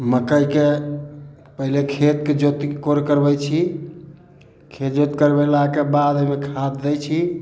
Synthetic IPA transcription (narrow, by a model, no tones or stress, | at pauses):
məkəjke | pəɦilekʰet̪̚ked͡ʒot̪koɾkəɾbɛjt͡ʃʰi | kʰet̪d͡ʒot̪kəɾbelakebad̪əjmekʰad̪ːɛjt͡ʃʰi